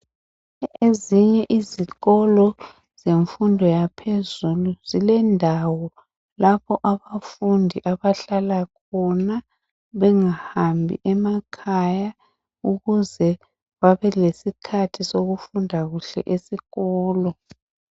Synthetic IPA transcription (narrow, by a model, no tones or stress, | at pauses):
eziɲɛʔiziɣɔlɔ | z̥eɱfundʱɔjapʰezuluz̥ilɛndʱawɔ | lapʰɔʔaβafundʱiʔaβaɬalakʰɔna | βɛŋahambʱḭʔɛmakʰaja | uɣuzɛ | βaβɛlesikʰatʰisoɣufundʱaɣuɬɛ̰ʔesiɣɔːlɔ